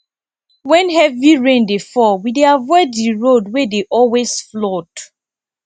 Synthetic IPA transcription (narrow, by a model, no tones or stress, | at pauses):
wɛ̃nhɛviɹẽndefɔwideavɔɪddiɹodwɛdeʔɔlwesflɔt